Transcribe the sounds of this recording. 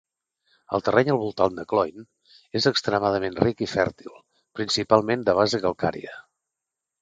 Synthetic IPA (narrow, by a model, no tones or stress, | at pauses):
ə̰lˠt̪ərɛɲəlˠβulˠt̪and̪əklɔjn | ezəkst̪ɾəmaðəmenrikifɛɾt̪ilˠ | pɾinsipalˠmend̪əβ̞azəɣəlˠka̰ɾḭə